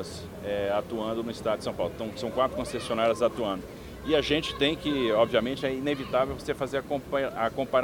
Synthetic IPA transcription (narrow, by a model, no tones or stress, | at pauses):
ɐs | ɛat̪uɐ̃nd̪ʊnʊɪst̪ad̪ʊd͡ʒɪ̥sɐ̃w̃pawlʊt̪ɐ̃w̃sɐ̃w̃kwat̪ɾʊkõsesiõnaɾɐzat̪uɐ̃nd̪ʊ | ɪaʒẽt͡ʃɪ̥t̪ẽj̃kɪɔbviamẽnt͡ʃɪɛinevit̪avewvosefazeɾakõakõpã